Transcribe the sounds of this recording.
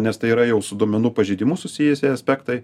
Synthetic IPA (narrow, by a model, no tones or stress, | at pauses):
nʲɛst̪ɐɪiːɾɐjɛʊsʊd̪uɔmʲɛnuːpɐʒʲiɪd̪ʲɪmʊsʊsʲɪjɛsʲɛɐsʲpʲæːkt̪ɐɪ